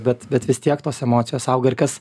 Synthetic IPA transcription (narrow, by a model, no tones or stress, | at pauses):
bʲɛt̪bʲɛt̪ʋʲɪst̪ʲiɛkt̪oːsɛmoːt̪sʲɪjoːsɑʊɡɐrʲkʲɐs